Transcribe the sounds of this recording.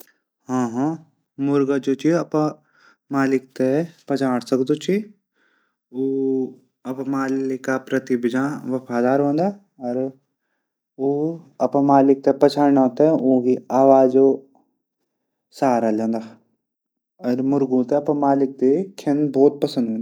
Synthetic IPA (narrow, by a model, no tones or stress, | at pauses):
ɦãːɦãː | mʊɾɡəd͡ʒoːt͡ʃʰiɐpã | maːlɪk̚t̪epɐt͡ʃʰaːɽsɐkd̪ot͡ʃʰi | oː | ɐpmaːlɪkːapɾət̪ibɪd͡ʒãːʋɐfaːd̪aːɾɦõːnd̪aː | ɐɾ | oːɐpãmaːlɪk̚t̪epɐt͡ʃʰaːɳãːt̪eõɡiaːʋaːd͡ʒo | saːɾalẽːnd̪aː | ɐɾmʊɾɡũt̪eɐpə̃maːlɪk̚t̪ekʰenboːt̪̚pɐsə̃nd̪ʱɦõːnd̪a